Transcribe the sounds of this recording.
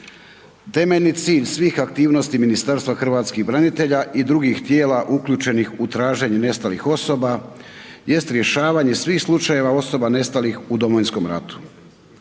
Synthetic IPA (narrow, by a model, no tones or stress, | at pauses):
t̪e̞me̞ʎnit̪siːʎsʋiːxak̚t̪iːʋnost̪iminist̪aɾst̪ʋaxr̩ʋaːt̪skixbɾanit̪e̞ʎaʔid̪ɾuɡixt̪je̞ːlaʔukʎuːt͡ʃe̞nixut̪ɾaːʒe̞ɲune̞st̪alḭxo̞so̞ba | je̞st̪ɾje̞ʃaːʋaːɲe̞sʋiːxslˠut͡ʃaje̞ʋao̞so̞bane̞st̪alixud̪o̞mojnsko̞mɾa̰t̪u̥